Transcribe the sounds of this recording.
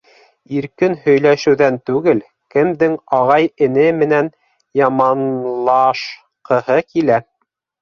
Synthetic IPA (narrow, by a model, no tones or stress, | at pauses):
iɾkɘnhɵ̆jlæʃɘ̆wðænt̪ʉɡɘl | kɘ̆md̪ɘŋɑʁɑjɘ̆nɘmɘ̆næn | jɑmɑnlˠɑʃ | qɤ̆hɤkilæ